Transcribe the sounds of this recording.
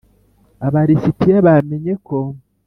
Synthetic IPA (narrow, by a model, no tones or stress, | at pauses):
aβaɾisitijaβameɲe̞ko